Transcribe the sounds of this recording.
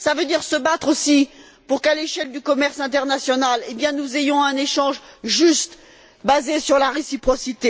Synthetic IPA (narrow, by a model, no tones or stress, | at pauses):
savød̪iʁsəbat̪χosi | puʁkaleʃɛld̪ykɔmɛʁsɛ̃t̪ɛʁnasjɔnalebjɛ̃nuzejɔ̃ɛ̃neʃɑ̃ʒʒyst̪ | bazesyʁlaʁesipχɔsit̪e